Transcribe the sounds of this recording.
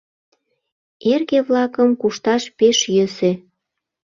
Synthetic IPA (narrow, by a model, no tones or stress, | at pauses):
erɣeβlɑkəmkuʃt̪ɑʃpeʃjøse